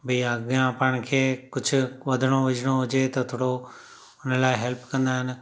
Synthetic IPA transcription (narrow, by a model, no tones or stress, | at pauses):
bʱiaɡjãpaːɪɽ̃kʰeːkʊd͡ʒʱʰʊ̆ʋɐd̪ʱəɽ̃oʋɪd͡ʒʱɽ̃oɦʊd͡ʒet̪ɐt̪ʰoːɽo | ʊnlaːɪɦɛlpkɐ̃nd̪aːɦɪnɪ̆